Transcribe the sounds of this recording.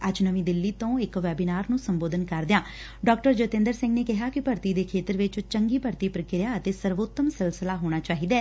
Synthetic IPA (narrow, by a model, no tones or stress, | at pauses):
əd͡ʒnəʋĩːd̪ɪlːiːt̪õːɪkʋɛːbinaːɾnũːsəmboːd̪ənkəɾd̪ɪjãː | ɖɔːkʈəɾd͡ʒət̪ɪ̃ːnd̪əɾsɪ̃ŋɡneːkɪɦaːkɪpəɾt̪iːd̪eːkʰeːt̪əɾʋɪt͡ʃt͡ʃəŋɡiːpəɾt̪iːpɾəkɪɾjaːət̪eːsəɾʋoːt̪ːəmsɪlsɪlaːɦoːɽ̃aːt͡ʃaːɦiːd̪aː